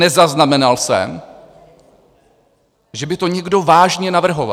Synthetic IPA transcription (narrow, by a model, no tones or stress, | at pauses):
ɛzaznamɛnalsɛ̰m | ʒɛbɪt̪o̞ɲɛɡdo̞vaːʒɲɛnavr̩ɦo̞va̰